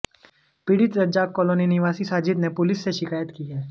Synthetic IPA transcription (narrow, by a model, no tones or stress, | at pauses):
pɪɽɪt̪ɾɐd͡ʒaːkːoːloːninɪʋaːsisaːd͡ʒɪd̪nepʊlɪsːeʃɪkaːjət̪kiɦɛː